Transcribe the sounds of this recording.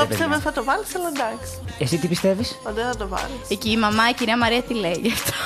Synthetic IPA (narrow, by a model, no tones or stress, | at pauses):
opsevθɐt̪ovɐliselond̪ɐks | esit̪ipist̪evispɐnd̪eθɐt̪ovɐ̰lieciːmɐmɐiciɾiɐmɐɾiɐt̪ileʝɐft̪o̥